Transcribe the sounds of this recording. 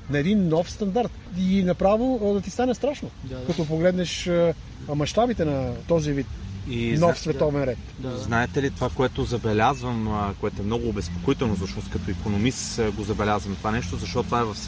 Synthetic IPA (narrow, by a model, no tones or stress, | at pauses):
nɐɛd̪inːɔfst̪ɐnd̪aɾt̪inɐpɾavod̪ɐt̪ist̪anɛst̪ɾaʃnokɐt̪ɔpoɡlɛd̪nɛʃə | mɐʃt̪abit̪ɛnɐt̪ɔzivit̪inɔfsvɛt̪ɔvɛnɾɛt̪znaɛt̪ɛlit̪ovakoɛt̪ozɐbɛlʲazvəmkoɛt̪oɛmnɔɡʊːbɛspo̥koit̪ɛlˠnosoʃnost̪kɐt̪oikonomist̪ɡozɐbɛlʲazvɐmt̪ovanɛʃt̪ozɐʃt̪ɔtt̪ovaɛvɐf